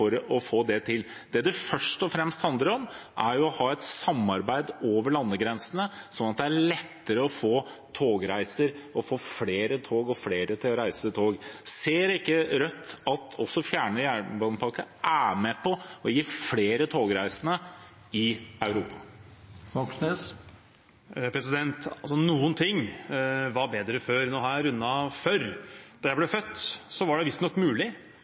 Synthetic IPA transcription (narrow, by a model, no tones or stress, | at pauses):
ɔɾɔfoːd̪ɛt̪ʰɪl | d̪ɛd̪ɛfœʂʈɔfɾɛmst̪hɑnd̪əɾɔmʔæɾjʊɔhɑːɛt̪sɑmːɑɾbæɪd̪oːʋəɭɑnːəɡɾɛnsənəsɔnɑt̪̚d̪ɛæɭɛt̪ːəɾəɔfoː | t̪ʰoːɡɾæɪsəɾɔfoːfleːɾət̪ʰoːɡɔfleːɾət̪ʰɪlɔɾæɪsət̪ʰoːɡseːɾɪkːəɾœt̪ːɑt̪ɔsːɔfjæːɳəjæːbɑnəpʰɑɾkəʔæːmɛpʰɔɔjiːfleːɾət̪ʰoːɡɾæɪsənə | ɪɑʉɾuːpʰɑ | ʋɔksnəs | pʰɾɛsɪd̪ɛnt̪ɑlsɔnuːənt̪ʰɪŋːʋɑɾbeːd̪ɾəføːɾnoːhɑjæɾʉnːɑføɾd̪̥ɑjæblɛfœt̪ːsɔʋɑɖɛʋɪst̪nɔkːmʉːlɪ